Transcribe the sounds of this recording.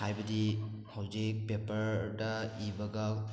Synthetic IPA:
hajbɐdi | hawd͡ʒik̚pepɐɾdɐibaɡa

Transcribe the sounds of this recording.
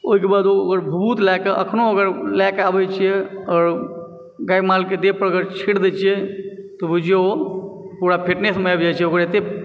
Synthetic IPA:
oɦikebad̪ooɡəɾbʱəbut̪lakeə̰kʰnoəɡəɾlakabɛt͡ʃʰiɛɔːɾ | ɡajmalked̪epəɾəɡəɾt͡ʃʰiʈd̪ɛt͡ʃʰijɛt̪ɔbud͡ʒeo | puɾapʰeʈnesmeabd͡ʒat͡ʃʰɛoɡəɾet̪e

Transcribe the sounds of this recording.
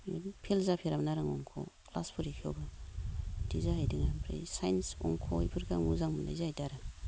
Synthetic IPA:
pʰelzapʰeɾamnaɾaŋɔŋkʰo̰kla̰spʰuɾikʰiobɐ | dizahajdiŋapʰɾḭjsajnsɔ̰ŋkʰoḭpʰɯɾkʰaŋuzaŋmunda̰jzaajtaɾɯ

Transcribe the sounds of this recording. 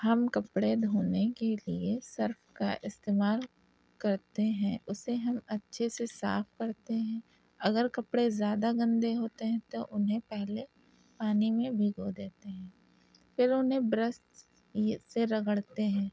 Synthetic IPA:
hɐmkɐpɽed̪ʱoːnekeliesɐɾfkaʔɪst̪eːmaːl | kɐɾt̪eɦɛ̃ːʔʊseɦɐmɐtːʃʰesesa̰ːfkɐɾt̪eɦɛ̃ː | ɐɡəɾkɐpɽezjaːd̪aɡɐ̃nd̪eɦoːt̪eɦɛ̃t̪oʔʊnɦẽpɛɦle | paːnimẽbʱiɡod̪eːt̪eɦɛ̃ː | fɪɾʊnɦẽbɾəst̪ | seɾɐɡəɽt̪eɦɛ̃ː

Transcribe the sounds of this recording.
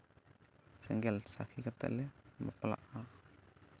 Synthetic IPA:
sɛŋɡɛlsahikat̪ɛ̰ʔlɛmə̰pla̰ʔa

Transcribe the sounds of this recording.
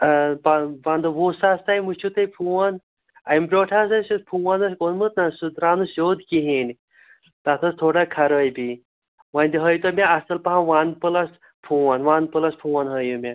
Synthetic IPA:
papand̪ɐʋosaːst̪ajmut͡ʃʰut̪əjpʰuwan | ajmbɾʲoʈʰasasopʰuwanɐskonmɨt̪nasud̪ɾaːnusod̪kiɦin | t̪at̪ʰəst̪ʰoːɽakʰɐɾəjbi | ʋanʲd̪iɦəjt̪omʲaɐsəlpaɦãʋanpəlas | pʰuwanʋanpəlaspʰuwanɦəjumʲa

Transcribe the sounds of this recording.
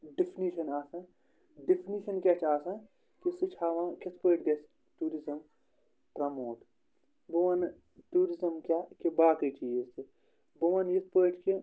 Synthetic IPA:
ɖipʰniʃɐnaːsɐ̃ | ɖipʰniʃɐnkʲat͡ʃʰaːsɐ̃ | kisɨt͡ʃʰaːʋãːkit̪ʰpəːʈʰɡɐs | ʈuːɾizɐm | ʈɾɐmoːʈ | bɐʋɐn | ʈuːɾizɐmkʲakibaːkit͡ʃiːzt̪i | bɐʋɐnjit̪̚ʰpəːʈʰke

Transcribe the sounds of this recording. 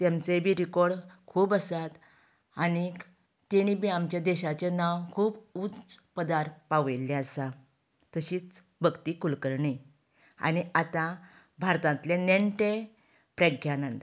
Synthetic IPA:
t̪jamt͡sebʱiɾikɔɾɽkʰuːbəsat̪ | añi | t̪eɽ̃ibiamt͡ɕjad̪ɛɕat͡ɕenawkʰuːbut͡spəd̪aɾpaʋlːeəsa | t̪əɕiːt͡s | bʱəɡt̪ikulkəɾɳe | a̰ɽ̃iat̪ã | bʱaɾt̪ãnt̪leneɳʈe | pɾəɡʱjãnə̃nt̪

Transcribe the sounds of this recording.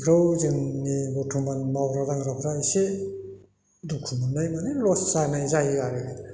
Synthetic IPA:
kʰɾɯwzɯŋnibɔtʰumanmawɾadaŋɾapʰɾajse | dukʰumanajmanilɔszanajzaɦiɡaɾɯɡa

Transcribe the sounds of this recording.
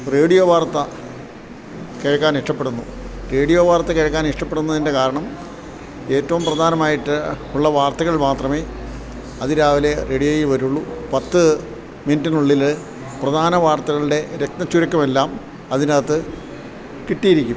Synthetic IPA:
re̞ːɽijoːʋaːrt̪ːɐ | keːɻkːaːniʂʈɐpːe̞ɽunːure̞ːɽijo̞ːʋaːrt̪ːɐkeːɻkːaːniʂʈɐpːe̞ɽunːɐðinde̞kaːɾɐɳɐm | e̞ːtːɐʋumprɐd̪ʱaːnɐmaːjiʈːɨ | uɭːɐʋaːrt̪ɐɣɐɭmaːt̪rɐmeː | ɐðiɾaːʋile̞re̞ːɽijoːjʋɐɾuɭːupɐt̪ːɨ | minɐtːinuɭːil | prɐd̪ʱaːnɐʋaːrt̪ɐɣɐɭɨɽe̞ɾek̚t̪ɐt͡ɕːuɾɐkːɐmelːaːm | ɐðinaːt̪ːɨ | kiʈːijiɾikʲːum

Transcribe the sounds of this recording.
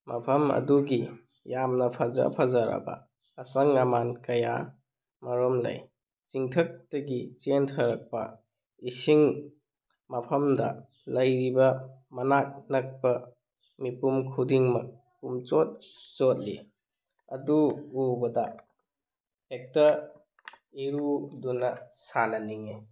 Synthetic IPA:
mɐpʰɐmɐ̰duɡi | jamnɐpʰɐza̰pʰazaɾa̰bɐ̰ː | sɐŋamankɐja̰ | mɐɾɔmlɐ̰j | t͡ʃiŋtʰɐk̚tɐɡit͡ʃentʰɐɾɐk̚pɐ̰ | isiŋ | mɐpʰɐmdɐ | lɐjɾibɐmɐnak̚nɐk̚pɐ | mipumkʰudiŋmɐk̚ | pumt͡ʃɔt̚t͡ʃɔt̚lḭ | ɐduubɐda | hek̚tɐ | iɾudunɐsanɐniŋe

